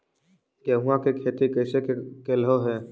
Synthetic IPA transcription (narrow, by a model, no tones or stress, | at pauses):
keɦʊãkekʰeːt̪ikəɪsekekelɦoɦɛː